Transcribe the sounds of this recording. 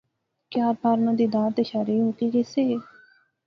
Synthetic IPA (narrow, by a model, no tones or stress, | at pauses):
kɪjaːɾbaːɾnãːd̪iːd̪ãːt̪eʃaːɾiːũːk̪iːkeseː